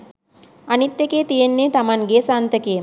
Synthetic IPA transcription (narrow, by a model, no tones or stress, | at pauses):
anit̪ːekeːt̪ijenːeːt̪amaŋɡeːsant̪əkejː